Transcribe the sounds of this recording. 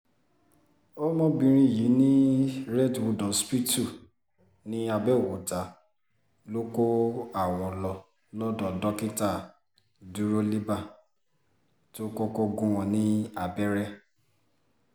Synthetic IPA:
o˦mɔ̃˦bĩ˧ɾ̃ĩ˦˨ji˨˦nĩ˦ɾɛ˦˨dwu˧dɔ̃˨spi˦tu˦˨ | nĩ˦a˧bɛ˦o˨wo˨ta˨˦ | lo˦ko˦a˨wɔ˨lɔ˧ | lɔ˦dɔ̃˨dɔ˦ki˦ta˦˨ | du˨˦ɾo˦li˦ba˦˨ | to˦ko˦ko˦ɡũ˦wɔ̃˧nĩ˦a˨bɛ˦ɾɛ˦

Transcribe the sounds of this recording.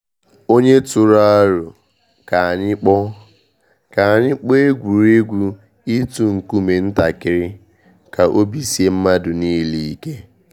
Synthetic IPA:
o˦ɲe˦tʊ˨ɾa˦a˦ɾʊ˨ | ka˨ɲɪ˦k͡pɔ˦ | ka˨ɲɪ˦k͡pɔ˦e˦ɡʷu˨ɾe˦ɡʷu˦ | i˦tu˨ŋ̩˨ku˦me˨n̩˦ta˨kɪ˦ɾɪ˦ | ka˨ʔo˦bi˨si˦e˦m̩˦ma˦dʊ˨niː˦li˨i˦˨ke˦

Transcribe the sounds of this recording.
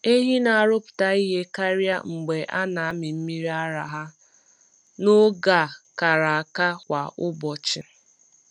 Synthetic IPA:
e˦ɦi˦na˨a˨ɾʊ˦pʊ̥˨ta˦i˦ɦe˦ka˦ɾja̰˦ŋ͡m̩˨ɡ͡be˨ʔa̰˦na˨a˦mɪ˨m̩˦mi˦ɾi˦a˦ɾa˨ɦa˦ | no˦ɡa˨ka˨ɾa˨a˨ka˦kʷa˨ʊ˦bɔ˨t͡ʃɪ˨

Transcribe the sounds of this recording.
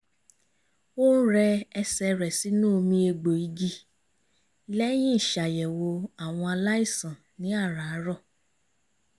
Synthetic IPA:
o˦ñ̩˦ɾɛ˧ɛ˧sɛ˧ɾɛ˨si˨˦nũ˦o˧mĩ˧˦e˧ɡ͡bo˨i˨˦ɡi˦ | lɛ˦j̃ĩ˦i˦˨ʃa˨jɛ˨wo˧a˨w̃ɔ̃˧a˧la˦i˦˨sã˨ | nĩ˨˦a˦˨ɾa˨˦ɾɔ˦˨

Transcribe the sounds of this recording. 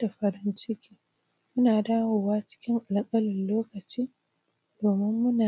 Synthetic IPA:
da˨ɸɐ˨ɽɪ˦nt͡ʃɪ˦kʲiː˦ | mʊ˦naː˨daː˦woː˨waː˦t͡ʃɪ̥˦kʲɪ˦ŋʔa˨lkʼɐ˦lɪ˨nloː˦kɐ˨t͡ʃiː˦ | doː˨mɪ˦mːʊ˦naː˨

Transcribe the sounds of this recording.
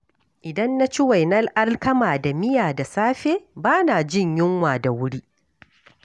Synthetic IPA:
ʔɪ˨dɐ˦nːa˦t͡ʃɪ˦wa˨jnɐ˦lʔa˦lkɐ˦maː˨da˨mɪ˦jaː˨da˨saː˦ɸeː˦baː˦naː˨d͡ʒɪ˦˨ɲjɪ˦ŋwaː˨da˨wʊ˦ɽiː˦ʔ

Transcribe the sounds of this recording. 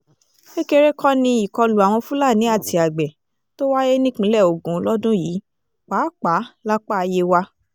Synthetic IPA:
e˦ke˧ɾe˦kʰɔ˦nĩ˧i˨kɔ˧lu˨a˨w̃ɔ̃˧fũ˦laː˦˨nĩ˨˦a˦˨ti˧a˨ɡ͡bɛ˨ | to˦wa˦je˦nĩ˦k͡pĩ˨˦lɛ˦˨o˨ɡũ˨˦lɔ˦dũ˦jiː˨˦ | k͡paː˨˦k͡pa˨˦la˦k͡pa˦˧je˧wa˧

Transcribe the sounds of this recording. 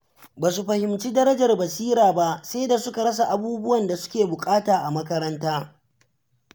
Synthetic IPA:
baː˨su˨ɸɐ˨hɪ˨mt͡ʃiː˦dɐ˦ɾɐ˦d͡ʒɐ˨rbɐ˨siː˦ɾaː˨ba˦ʔse˦da˨sʊ˦ka˨ɽɐ˦s̬a˨ʔa˨buː˦bʊ˦wɐ˨nda˨sʊ̥˦kʲeː˨bʊ˨kʼaː˦taː˨ʔa˨mɐ˦kɐ˦ɾɐ˦ntaː˦

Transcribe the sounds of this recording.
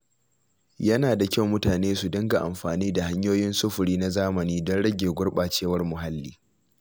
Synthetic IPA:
jɐ˦naː˨da˨kʲa˦˨wmʊ˦taː˨neː˦su˨dɪ˦ŋɡa˨ʔa̰˨mɸaː˨niː˦da˨ha˦ɲjoː˦jɪ˦nsʊ˦ɸʊ˨ɽiː˦na˦zaː˦mɐ˨niː˦dɔ˦nɽɐ˦ɡʲeː˨ɡʷʊ˦ɽɓaː˨t͡ʃeː˦wɐ˦rmʊ˨ɦa˦lːiː˦

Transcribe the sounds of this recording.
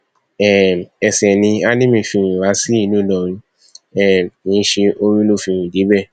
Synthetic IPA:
ɛ˦˨ɛ˨sɛ˨nĩ˧a˦nĩ˦mĩ˦˨fĩ˧˨ɾĩ˨wa˨˦si˦i˦˨nũ˨˦lɔ˨ɾ̃ĩ˧ | ɛ˦˨nĩ˨˧˦ʃe˧ʔo˧ɾũ˦lo˦˨fĩ˧˨ɾĩ˨d͡ʒi˨˦bɛ˦˨

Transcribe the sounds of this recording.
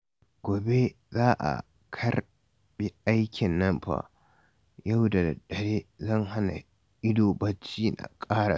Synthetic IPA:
ɡ̥ʷoː˨be˦ | zaː˦ʔa̰˨ | kʰɐ˦r | bi˦ʔa˦jkʲɪ˨nːɐ˦mɸa̰˦ | jɐ˦wda˨ɗɐ˨ɽeː˦zɐ˦˨ŋha˦na̰˨ | ʔɪ˦doː˨bɐ˦t͡ʃːiː˦na̰˨kʼaː˦ɽa˨

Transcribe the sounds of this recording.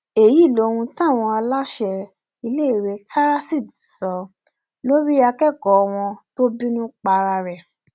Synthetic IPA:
e˨ji˨˦˨lo˨˧˦wũ˧tã˦˨w̃ɔ̃˧a˧la˦ʃɛ˧ | i˧le˦i˦˨ɾe˧˦tʰa˦ɾa˦si˦˨di˨sɔ˨˦ | lo˦ɾi˦a˧kɛ˦˨kɔ˨ɔ˧w̃ɔ̃˧to˦bi˦nũ˦k͡pa˧ɾa˧ɾɛ˨

